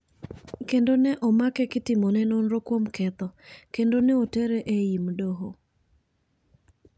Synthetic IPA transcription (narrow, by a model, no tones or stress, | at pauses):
kendonɛʔɔmakɛkɪtɪmonɛnonɾokwomkɛt̪ɔkendonɛotɛɾɛʔeimdoɦo